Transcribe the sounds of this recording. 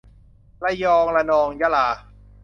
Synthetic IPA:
la˧jɔː˧ŋla˧nɔː˧ŋja˧˥laː˧˩

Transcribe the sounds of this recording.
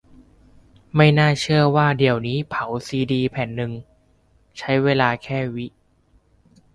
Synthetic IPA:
ma˥˩jnaː˥˩t͡ɕʰɯ˥˩ɐwaː˥˩di˨˩əwniː˦˥pʰa˩˦wsiː˧diː˧pʰɛ˨˩˦nːɯ˧ŋ | t͡ɕʰa˦˥jweː˧laː˧kʰɛː˥˩wi˦˥ʔ

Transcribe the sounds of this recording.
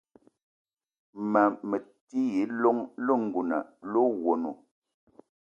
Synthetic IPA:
ma˨mə˨ti˦ji˨˦lo˦ŋlo˦ŋ̩˨ɡu˨na̰˨lo˦ɣwo˨nu˨

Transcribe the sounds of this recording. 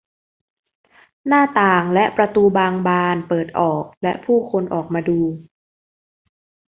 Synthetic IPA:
naː˥˩t̪aː˨˩ŋlɛ˦˥ʔpɾa˧t̪uː˧baː˧ŋbaː˧npɤː˨˩t̪̚ʔɔː˨˩k̚lɛ˦˥ʔpʰuː˥˩kʰo˧nʔɔː˨˩k̚maː˧duː˧

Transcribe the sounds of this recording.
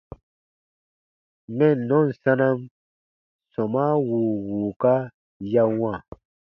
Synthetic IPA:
mɛ˦˨nɔ̃˦˨n̩˨sã˦nã˦m | sɔ˨ma˦wuː˨wuː˨ka˦ | ja˧wã˦˨

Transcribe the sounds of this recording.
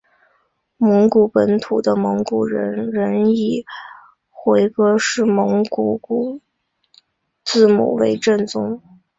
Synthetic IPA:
mɤ˧˥ŋku˨˩pə˧˥nt̪ʰu˨˩d̪ə˦mɤ˧˥ŋku˨˩ɻə˧˥ɻə˧˥ni˨˩ | xwe˧˥ɪkɤ˥ʂɻ̩˥˩mɤ˧˥ŋku˨˥˩ku˨˩ | t͡sɹ̩˥˩mṵ˨˩we˧˥ɪʈ͡ʂə˥˩nt͡sʊ˥ŋ

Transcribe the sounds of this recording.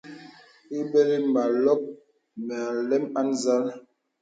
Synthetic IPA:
i˦bɛ˦li˦ma˨lɔ˦k̚ | mɛ˨a˨lɛ˦ma˦nza˦l

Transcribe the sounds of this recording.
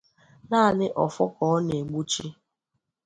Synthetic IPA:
naː˦˨nɪ˦ʔɔ˨fɔ˦kɔ˨ɔ˦ne˨ɡ͡bu˦t͡ʃi˦

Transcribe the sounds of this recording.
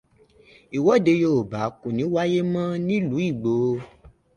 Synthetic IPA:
i˨wɔ˨˦de˧jo˦˨ba˨˦kũ˨nĩ˨˦wa˦je˦mã˦nĩ˦lu˨˦i˦˨ɡ͡bo˨˦˧

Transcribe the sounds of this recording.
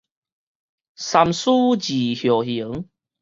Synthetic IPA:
sa˧msu˦˥t͡ɕi˨˩hjɔ˨˩hi˨˦ŋ

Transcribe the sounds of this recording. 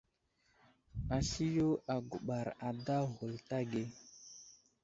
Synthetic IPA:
a˨si˦jo˦a˨ɡo˨ɓa˨ɾa˨da˦ho˨lta˦ɡe˦

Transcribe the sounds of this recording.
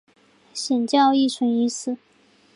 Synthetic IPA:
ɕjɛ˨˩nt͡ɕjɑ˥˧ʊi˥˩ʈ͡ʂʰwə˧˥ni˧˥sɹ̩˨˩˦

